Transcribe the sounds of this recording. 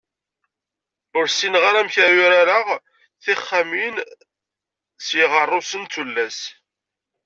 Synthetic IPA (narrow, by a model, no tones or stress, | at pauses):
ʊɾsinʁaɾæmçæjʊɾaɾəʁ | θɪχːamin | sjəʁərˤːʊsənt̪ulːæs